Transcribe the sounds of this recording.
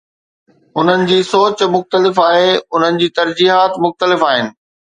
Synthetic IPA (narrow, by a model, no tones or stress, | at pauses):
ʊn̤ənɪ̆d͡ʑiːsoːt͡ɕmʊxt̪əlɪfaːɦeʊn̤ənɪ̆d͡ʑiːt̪ɐɾd͡ʑiːɦaːt̪mʊxt̪əlɪfaːɦɪnɪ̆